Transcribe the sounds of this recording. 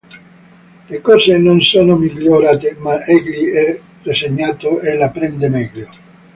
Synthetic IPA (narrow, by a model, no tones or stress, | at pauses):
lekɔzenonsoːnomiʎːoɾaːt̪emaɛɡliɛ | reseɲːaːt̪oelapɾɛnd̪emɛɡʎo